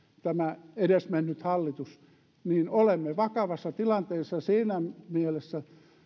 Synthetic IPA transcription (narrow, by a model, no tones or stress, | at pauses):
t̪æmæedesmenːyt̪hɑlːit̪us | niːnolemːeʋɑkɑʋɑsːɑt̪ilɑnt̪eːsːɑsiːnæmielesːæ